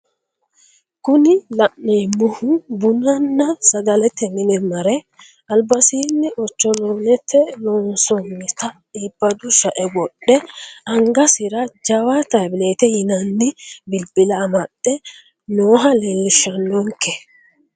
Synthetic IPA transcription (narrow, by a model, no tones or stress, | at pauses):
kʊnɪlɐnːemɔhʊbʊnɐnːɐsɐɡɐlɛt̪ːɛmɪnɛmɐɾɛ | ɐlbɐsiːnːɪʔɔt͡ʃːɔlɔnɛt̪ːɛlɔnsɔŋːɪt̪ɐ | iːb̥ːɐd̪ʊʃɐʔɛwɔɗːɛɐŋɡɐsɪɾɐd͡ʒɐwat̪ɐbɪlet̪ɛjɪnɐnːɪbɪlbɪlɐːmɐɗɛ | noːɦɐleːlːɪʃːɐnːɔŋkɛ